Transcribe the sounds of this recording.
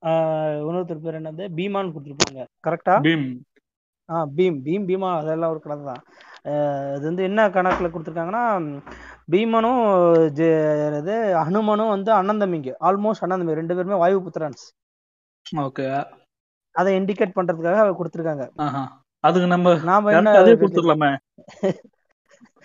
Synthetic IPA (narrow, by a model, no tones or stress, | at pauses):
ʊnɐɾɯt̪ɪɾɯpeːɾɛɳːɐʋɐnd̪ɯbiːmaːnkʊɽɯt̪ːɪɾɯp̬ːa̰ːŋɡɐkɐɾɛkʈaːbiːm | aːbiːmbiːmbiːmaːɐðɛlːãːɔɾɯkɐɽɐðɐt̪ãː | ɐðɯʋɐnd̪ɯɛnːɐkɐɳɐkːɐlɐkːʊɽɯt̪ːɯɾɯkːaːŋɡɐnːaː | biːmɐnɯ̃d͡ʒɐðɯɐɳɯmɐnʊ̃ʋɐnd̪ɯɐnːɐnd̪ɐmɪŋɡɯʔaːlmoːsʈɐnːɐnd̪ɐmiɾɛɳɖɯpeːɾɯmeːʋaːjʋɯpʊt̪ːɐɾaːɳs | oːkeaː | ɐðɐɪɳɖɪkːeːʈ̚pɐɳːɾɐðɯkːaːɣɐɐʋkʊɽɯt̪ːɯɾɯkːaːŋɡɐaːɦa | ɐðɯkːɯnɐmbɐnaːmɐɛɐnːɐɐðɐeʊɽɯɯkːlamẽ